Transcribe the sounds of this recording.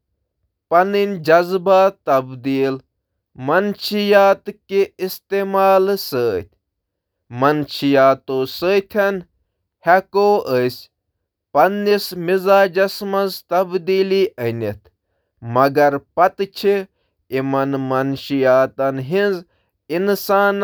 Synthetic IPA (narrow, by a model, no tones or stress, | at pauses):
pɐninʲd͡ʒɐzbaːt̪ɐbd̪iːl | mɐnʃijaːt̪kiist̪eːmaːlsəːt̪ʰʲ | mɐnt͡ʃijaːt̪oːsəːt̪ʲʰɐn | hɛkoːʔəsʲ | pɐnːismizaːd͡ʒɐsmɐnzt̪ɐbd̪iːliʔənʲit̪ʰ | mɐɡɐɾpɐt̪t͡ʃʰi | imɐnmɐnʃijaːt̪ɐnɦinz | insaːn